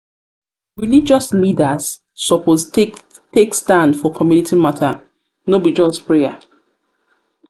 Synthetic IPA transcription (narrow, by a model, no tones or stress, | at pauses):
ɹilid͡ʒɔslidasː | ɔpos | tekstãndfɔkʰɔmjunitʰimatʰa | nobid͡ʒɔstpɹeja